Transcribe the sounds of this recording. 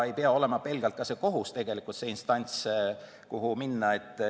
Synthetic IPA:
e̞jpeɑo̞le̞mɑpe̞lɡ̥ɑlt̪kɑse̞ko̞ɦust̪e̞ɡ̥e̞likˑult̪seinst̪ɑnʲt̪s | kuɦuminːɑe̞t̪ˑː

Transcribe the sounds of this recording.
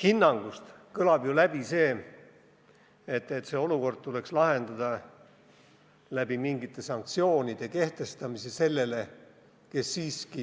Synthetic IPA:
hinːɑŋɡ̥ust̪ | kɤlɑb̥julæb̥ise̞ː | et̪ːˑet̪se̞ːo̞luko̞rd̪̥̚t̪ule̞kslɑhe̞nd̪̥ɑd̪̥ɑ | læb̥imiŋɡit̪ːˑe̞sɑŋk̚t̪sio̞ːnid̪̥e̞ke̞ht̪e̞st̪ɑmise̞se̞lːe̞le̞ | ke̞sːiːski

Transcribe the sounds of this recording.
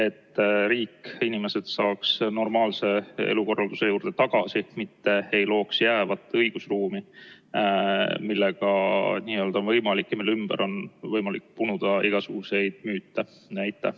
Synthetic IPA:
e̞t̪ːɾiːkːinime̞se̞d̪̥sɑːksno̞rmɑːlse̞ḛluko̞rːɑld̪̥use̞juːɾd̪̥e̞t̪ɑɡ̥ɑsimit̪ːe̞ejlo̞ːksjæːvɑt̪ːˑɤjɡ̥usruːmi | milːe̞ɡ̥ɑniːø̞ld̪ɑonvɤjmɑlikːjɑmilːymb̥æɾʔo̞nvɤjmɑlikːpunud̪̥ɑiɡ̥ɑsuɡ̥use̞jd̪̥myːt̪ːɑ | næjt̪ˑːæ

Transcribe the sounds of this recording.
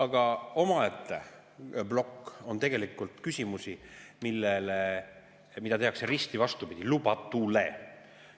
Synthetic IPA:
ɑɡ̥ɑo̞mɑet̪ːˑḛ | blo̞kːo̞nt̪e̞ɡ̥e̞likːˑult̪kysʲimusimilːele | mid̪ɑt̪e̞ɦɑkseɾist̪ivɑst̪upid̪̥ʲilubɑt̪ːule̞

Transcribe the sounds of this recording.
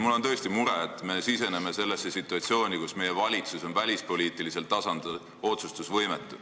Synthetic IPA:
mulːo̞nt̪ɤ̞ːst̪imuɾe̞et̪ˑme̞sise̞ne̞mese̞lːesːe̞sit̪ːˑuɑt̪sio̞ːnʲikusme̞je̞vɑlʲit̪suso̞nvælʲispo̞lʲiːt̪ːˑilise̞lt̪ɑsɑnd̪̥ | o̞t̪sust̪usvɤjmet̪ːˑu

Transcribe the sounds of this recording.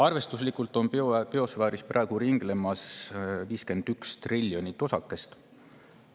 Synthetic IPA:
ɑrve̞st̪uslikːˑult̪ːo̞npeo̞svæːɾisprɑˑeɡ̥uɾiŋɡ̥le̞mɑsviːske̞nd̪̥ykst̪rilʲːjo̞nʲit̪ːˑo̞sɑkːˑe̞st̪

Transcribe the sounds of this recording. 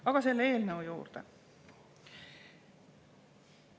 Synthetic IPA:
ɑɡ̥ɑse̞lːe̞ːlnɤujṵːrd̪̥e

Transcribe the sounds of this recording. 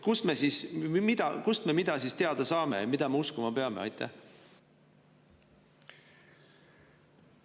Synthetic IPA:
kusme̞sismid̪̥ɑkust̪me̞mid̪̥ɑsist̪e̞ɑd̪̥ɑsɑːme̞jɑmid̪̥ɑmeuskumɑpe̞ɑmeɑ̰jt̪ːˑḛh

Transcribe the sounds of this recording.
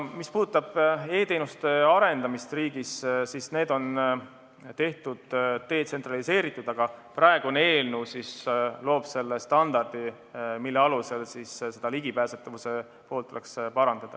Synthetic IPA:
mispuːd̪ut̪ːˑɑb̥e̞ːt̪e̞ːnust̪e̞ɑɾe̞nd̪ɑmist̪riːɡ̥issisne̞ːd̪o̞n | t̪e̞ht̪ud̪̥t̪e̞ːt̪se̞nt̪rɑlise̞ːɾit̪ːˑud̪̥ɑɡ̥ɑprɑe̞ɡuone̞ːlnuːsislo̞ːb̥se̞lːest̪ɑnd̪ɑrd̪̥i | milːe̞ɑluse̞lsisse̞d̪̥ɑliɡ̥ipæːset̪ːˑɑvuse̞ | po̞ːlt̪ːˑule̞kspɑɾɑnd̪̥ɑd̪̥ɑ

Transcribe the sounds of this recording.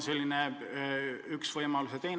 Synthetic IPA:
se̞lʲːine | yksvɤjmɑluset̪e̞ːn

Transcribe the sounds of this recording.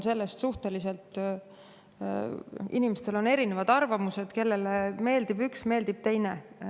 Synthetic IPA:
nse̞lːest̪suht̪e̞lise̞lt̪ˑ | inimest̪e̞lo̞ne̞ɾine̞vɑd̪̥ɑrvɑmuse̞d̪̥ke̞lːeleme̞ːld̪ibyksme̞ːld̪ib̥̚t̪e̞jne

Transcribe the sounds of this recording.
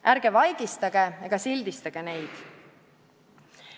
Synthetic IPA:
ʔæɾɡ̥e̞vɑjɡ̥ist̪ɑɡ̥e̞eɡ̥ɑsilʲd̪ist̪ɑɡ̥e̞ne̞jd̪̥

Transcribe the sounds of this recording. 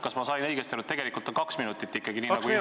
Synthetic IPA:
kɑsmɑsɑjnɤjɡest̪eɾut̪e̞ɡ̥e̞likˑult̪ːˑɑkɑksminut̪ːˑit̪ːikːˑɑɡiniːnɑku

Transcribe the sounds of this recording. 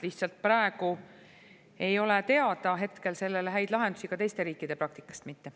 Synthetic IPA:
liçt̪sɑlt̪̚pɾɑe̞ɡu | e̞jo̞let̪e̞ɑd̪̥ɑɦe̞t̪ke̞lse̞lːe̞leɦæjd̪̥lɑɦe̞nd̪usikɑt̪e̞jst̪e̞ɾiːkːˑid̪̥e̞pɾɑk̚t̪i̥kːˑɑ̥st̪mit̪ːe̞

